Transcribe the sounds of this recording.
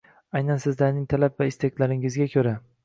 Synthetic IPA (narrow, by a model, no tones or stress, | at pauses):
ajnansɪzlaɾnɪŋt̪ʰalapvaɪst̪ekʲlaɾɪŋɪzɡʲakʲʰɵɾa